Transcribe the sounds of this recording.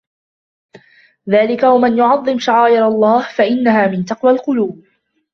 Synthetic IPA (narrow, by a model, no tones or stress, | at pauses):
ðaːlɪkawamɪnjʊʕɑðˤːɨmʃaʕaːʔɪɾɑlˤːɑːhfaʔɪnːaɦaːmɪnt̪ɑqwalqʊluːb̚